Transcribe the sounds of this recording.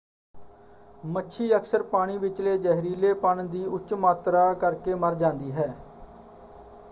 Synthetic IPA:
mətːʃʰiːəksəɾpaːɽ̃iːʋɪt͡ʃleːd͡ʒɛːɦɾiːleːpəɳd̪iːʊt͡ʃmaːt̪ɾaːkəɾkeːməɾd͡ʒãːnd̪iːɦɛː

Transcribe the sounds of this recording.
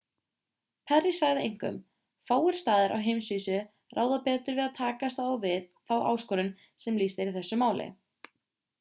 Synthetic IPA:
pʰɛrːisaɣðɪejŋ̥kʏ̰m | faːwɪɾ̥st̪aːðɪɾʔa̰wɦejmsviːsʏ | rʔa̰ːwðapɛːt̪ʏɾvɪðaðt̪ʰaːkast̪avɪðθawʔa̰ːwskɔːɾʏn | sɛmliːst̪ɪɾiɾθɛsːʏmaːwlɪ̰

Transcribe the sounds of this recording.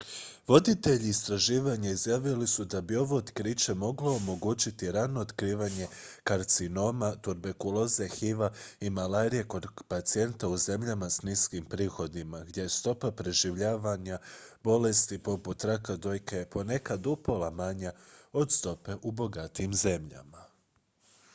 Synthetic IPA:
ʋo̞d̪it̪e̞ʎiːst̪ɾaʒiːʋaɲaizjaːʋilisud̪abio̞ʋo̞ot̪kɾit͡ʃe̞mo̞ɡlo̞omo̞ɡut͡ɕit̪iɾano̞ːt̪kɾiːʋaɲe̞kaɾt̪sino̞mat̪uɾbekulo̞zexiʋaimalaːɾije̞ko̞d̪pat̪sie̞nt̪auze̞mʎamasniskimpɾiːxo̞d̪imaɡd̪je̞jest̪o̞papɾe̞ʒiʋʎaːʋaɲabo̞le̞st̪ipo̞put̪ɾakad̪o̞jkepo̞ne̞kad̪upo̞lˠamaɲao̞d̪st̪o̞pe̞ʔubo̞ɡat̪iːmze̞mʎa̰ma

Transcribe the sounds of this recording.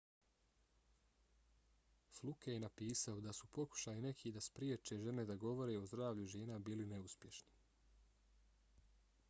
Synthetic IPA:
flˠukejenapiːsaod̪asupo̞ku̥ʃaːjine̞kʰid̪aspɾijeːt͡ʃe̞ʒe̞ne̞d̪aɡo̞ʋo̞ɾe̞o̞zd̪ɾaːʋʎuʒe̞ːnabiːline̞uspje̞ʃni

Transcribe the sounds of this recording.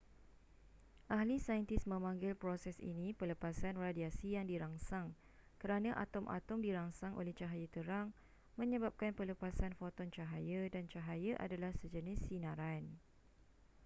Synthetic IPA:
ʔaɦlisajənt̪ɪsmə̃mãŋɡɪlpɾosɛsḭnĩpələpasanradiasijaŋdiɾaŋsaŋ | kəɾanãʔa̰t̪ɔmʔa̰t̪ɔmdiɾaŋsaŋʔo̰lɛht͡ʃaɦajət̪əɾaŋ | mə̃ɲəbap̚kanpələpasanfot̪ɔnt͡ʃaɦajədant͡ʃaɦajəʔa̰dalahsəd͡ʒənɪsinãɾan

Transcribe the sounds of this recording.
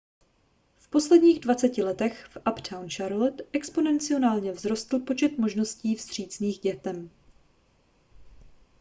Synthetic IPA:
fpo̞slɛdɲiːɣdvat͡sɛcɪlɛt̪ɛxfʔapt̪ʰawnt͡ʃaɾlɛt̪ʔɛkspo̞nɛnt͡sɪo̞naːlɲɛvzɾo̞st̪l̩po̞t͡ʃɛt̪mo̞ʒno̞sciːfz̥t̪r̝̥iːt͡sniːɣɟɛt̪ɛm

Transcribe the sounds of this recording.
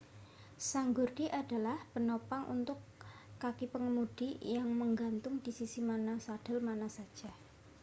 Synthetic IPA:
saŋɡurd̥iʔad̥a̤lahpənopaŋʔṵnt̪ʊkːakipəŋəmud̥ijaŋməŋɡant̪ʊŋd̥isisimanasaɖ̥a̤lmanasad̥d͡ʒ̥a̤

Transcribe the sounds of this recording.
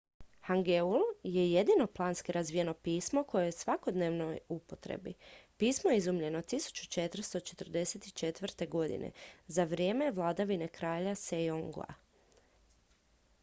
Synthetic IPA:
haŋɡeulje̞je̞d̪ino̞plˠaːnskiɾazʋijeno̞piːsmo̞ko̞jejesʋako̞d̪neːʋnojupot̪ɾḛbḭpiːsmojeizumʎe̞no̞t̪isu̥t͡ʃu̥t͡ʃe̞t̪r̩st̪o̞t͡ʃe̞t̪r̩d̪e̞se̞t̪i̥t͡ʃe̞t̪ʋr̩t̪e̞ɡo̞d̪ḭnḛzaʋɾjeːme̞ʋlˠad̪aʋine̞kɾaːʎasejoŋɡ̰a̰

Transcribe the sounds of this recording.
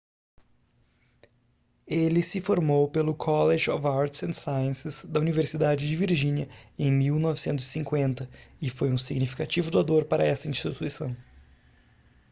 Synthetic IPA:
elɪsɪfoɾmowpelʊkʰɔleʒɪɔvaɾt͡ʃɪsẽnsajə̃sɪz̥d̪ɐuniveɾsid̪ad͡ʒɪd͡ʒɪviɾʒĩniɐẽj̃miwnɔvɪsẽnt̪ʊzɪsĩŋkwẽnt̪ɐɪfojũsiɡnifi̥kat͡ʃivʊd̪ʊad̪oɾpaɾɐɛsɐĩʃt͡ʃit̪uisɐ̃w̃

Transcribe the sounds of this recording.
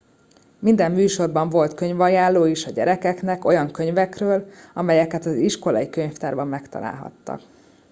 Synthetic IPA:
mind̪ɛmːyːʃo̞rbɒɱvo̞lt̪kø̞ɲvɒjaːlːoːiʃɒɟɛɾɛkɛknɛko̞jɒŋkø̞ɲvɛkrøːlɒmɛjɛkɛt̪ɒziʃko̞lɒ̰jikøɲft̪aːrbɒmːɛkt̪ɒ̰la̰ːlɦɒ̰t̪ːɒ̰k

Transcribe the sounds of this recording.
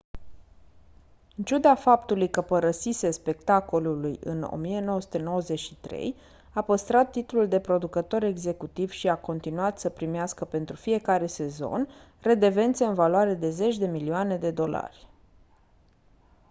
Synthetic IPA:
ɨnt͡ʃud̪afapt̪ulujkəpəɾəsisespe̞kt̪ako̞lulujɨ̰no̰mije̞no̞wəsu̥t̪eno̞wəze̞t͡ʃʲʃi̥t̪ɾe̞̰j | apəst̪ɾat̪ːit̪ululd̪e̞pɾo̞d̪ukət̪o̞ɾe̞ɡze̞kut̪iv̥ʃiako̞nt̪inuat̪səpɾimeaskəpe̞nt̪ɾufije̞kaɾe̞se̞zo̞̰n | re̞d̪e̞ve̞nt̪se̞ɨnvaloaɾe̞d̪e̞ze̞t͡ʃʲd̪e̞milioane̞d̪e̞d̪o̞la̰rʲ

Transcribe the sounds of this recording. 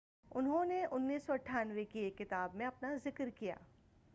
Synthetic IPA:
ʊnɦõneʔʊnːiːsːoɐʈʰːaːnʋekekːɪt̪aːbmẽɐpnazɪkɾkija̰ː

